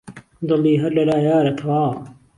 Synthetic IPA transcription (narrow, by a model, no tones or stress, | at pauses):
d̪oliːɦɐlelaːjaːɾɐt̪ʰwaː